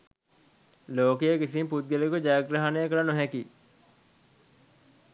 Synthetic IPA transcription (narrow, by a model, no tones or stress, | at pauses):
loːkejekisimput̪̚ɡelekud͡ʒaːɡɾaɦanejəkɐlanoɦɛki